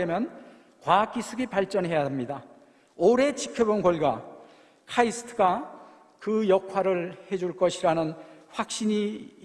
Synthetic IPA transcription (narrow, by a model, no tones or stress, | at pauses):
emjʌn | kwak͈isʰɯɡipaɭt͡ɕ͈ʌnɦe̞jademɲida | oɾe̞t͡ɕikʰjʌbonɡoɭɡa | kʰaisʰɯ̥tʰɯɡa | kɯjʌkʰwaɾɯɭhe̞d͡ʑuɭk͈ʌɕʰiɾanɯnɸwak̚ɕ͈iɲi